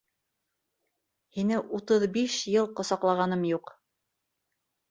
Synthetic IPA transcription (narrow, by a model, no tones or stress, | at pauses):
hinɘʔut̪ɤðbiʃjɤlˠqŏsɑqlˠɑʁɑnɤmjuq